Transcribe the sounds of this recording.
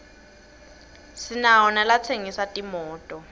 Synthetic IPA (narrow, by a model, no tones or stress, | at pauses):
sinaɔnalat͡sʰeŋisatʼimɔːtʼɔ